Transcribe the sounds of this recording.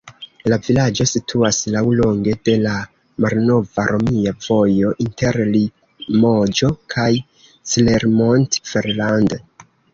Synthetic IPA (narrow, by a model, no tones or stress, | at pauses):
lavilad͡ʒo̞sitʰuaslawlo̞ŋɡe̞de̞la | malno̞vaɾʔo̞miav̥o̞jo̞ʔinte̞ɾli | mod͡ʒo̞kʰaj | sileɾmontfeɾland